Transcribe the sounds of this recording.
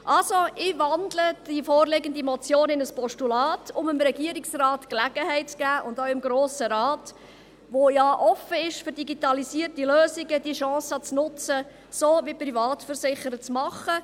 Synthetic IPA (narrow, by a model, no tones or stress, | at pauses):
ʔɑlsoɪvɑndləd̥ifoːrlɪɡəndimɔt͡sjoːnɪnəspɔʃtulɑːtʰʊmɪmɾɛɡiəɾɪksrɑːtklæɡəɦɛɪt̚t͡skæːʔʊndoʊɪmɡɾoːsəɾɑːt | ʋojɑːʔɔfəɪʃføɾdiɡitɑlisiːərtiløːsɪɡəd̥iʃɑ̃ːsɑt͡snʊt͡sə | soːʋiprivɑːtfəɾsɪχəɾət͡smɑχə